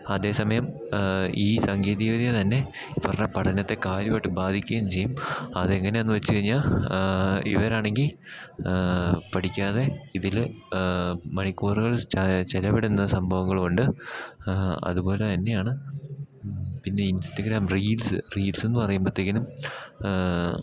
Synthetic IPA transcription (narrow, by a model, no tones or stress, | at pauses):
ɐðe̞ːsɐmɐjɐm | iːsɐŋɡiːðiʋiðijɐt̪ɐnːe̞ | pɐrɐɲːɐpɐʈʰɐnːɐt̪ːe̞kaːɾjɐmeʈːɨbaːd̪ʱikʲːuɣɐmt͡ɕe̞jːumɐðeŋːɐne̞onːɨʋɐt͡ɕːɨkɐɻiɲːaːɭ | ḭʋɐɾaːɳe̞ŋɡil | pɐʈʰikʲːaːðe̞iðil | mɐɳikːoːruɣɐɭt͡ɕelɐbeɽunːɐsɐmbʱɐʋɐŋːɐɭoɳɖɨ | ɐ̰ðupo̞ːle̞t̪ɐnːe̞jaːɳɨ | pinːe̞instɐɡɾaːmriːlsɨriːlse̞nːɨpɐrɐjumbɐt̪ːeɣɡilum